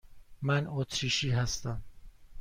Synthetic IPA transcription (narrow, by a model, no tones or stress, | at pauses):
mænot̪ʰɾiːʃiːɦæst̪æm